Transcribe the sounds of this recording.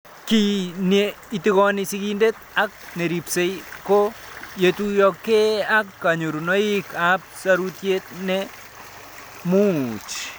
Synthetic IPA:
kine | itiɣɔnɪsikindet̪ | ak̚neɾipsejkojetujɔkːeakːaɲoɾunoikap̚saɾutjet̪̚nɛ | mut͡ʃ

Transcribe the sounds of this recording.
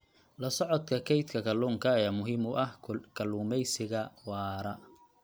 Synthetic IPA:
lɐsɔʕɔd̪kʰɐkʰɛjt̪kʰɐkʰɐluːŋkʰɐɛmʊɦɪmʊʔɐhkʰɐluːmɛjsɪɣɐwɑːɾɐ

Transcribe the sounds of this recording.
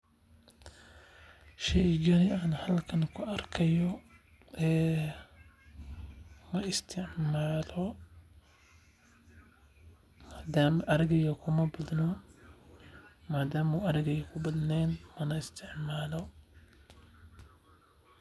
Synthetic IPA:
ʃɛjd͡ʒɐnɪaːnhɐlkʰɐnkʰʊʔɐrkʰɐjɔ | ʔɛː | mɐɪst̪ʰɪʕmaːlɔ | hɐd̪aːmɐʔɐɾɪɣɐjɐkʰʊmɐbɐd̪nɔ | maːd̪aːmuɐɾɪɣɛjkʰʊbɐd̪nɛːnmɐnɐɪst̪ʰɪʕmaːlɔ

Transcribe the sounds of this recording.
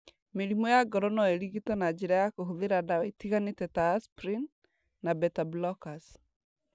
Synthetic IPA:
meɾimɔjaɡɔɾɔnɔeɾiɣitɔnad͡ʒeɾajakoɦoðeɾadawɛitiɣanetɛtaspɾinː | abɛtablɔkas

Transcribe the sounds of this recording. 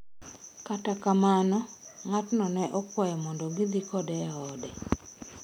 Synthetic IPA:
katakamanɔŋatnɔnɛʔɔkwajɔmɔndɔɡɪd̪ikɔdɛaɔdɛ

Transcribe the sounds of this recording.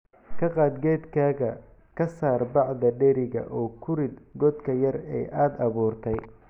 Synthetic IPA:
kʰɐqɑːd̪ɡɛːd̪kʰaːɣɐ | kʰɐsaːrbɑʕd̪ɐɖɛɾɪɣɐ̰ʔɔːkʰʊɾɪd̪ɡɔd̪kʰɐjɐrɛ̰jʔaːd̪ɐβuːrt̪ʰɛj

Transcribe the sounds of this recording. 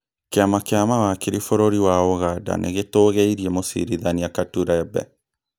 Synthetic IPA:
keamakeamawakeɾifoɾoɾiwaoɣada̰nʔḛɣetoːɣeiɾiemosḭɾiðaniakatuɾaɛbɛ̰

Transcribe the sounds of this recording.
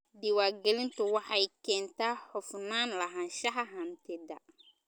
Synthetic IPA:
diwaːɡɛlɪnt̪ʊwaħajkɛnt̪ahɔfnaːnlaɦãnʃaɦaɦantɛda̰

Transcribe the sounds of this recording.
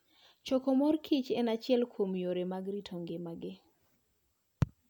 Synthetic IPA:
t͡ʃɔkɔmɔrkʰit͡ʃɛnat͡ʃɪɛlkʰwomjoɾemaɡɾitʰoŋɡɪmaɡɪ

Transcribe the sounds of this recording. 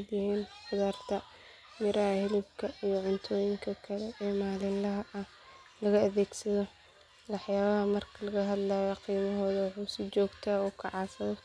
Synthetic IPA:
d̪jɪhiːnfʊðaːrt̪ʰɐ | mɪɾɐhɐhɪlɪbkʰɐʔijɔʕʊnt̪ʰɔːjɪŋkʰɐkʰɐlɛʔɛːmaːlɪnlɐɦɐʔɐ | lɐɣɐɐðɛːɡsɐðɔ | wɑħjaːβɐɦɐmɐrkʰɐlɐɣɐɦɐd̪laːjɔqiːmɐɦɔːðɐwɑħuːsɪt͡ʃɔːɡt̪ʰaːɔːkʰɑʕɑːsɐðɔ

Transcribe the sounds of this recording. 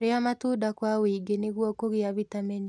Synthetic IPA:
ɾeamatudakwawiɡeneɣwɔkoɣeaβitamɛɲi

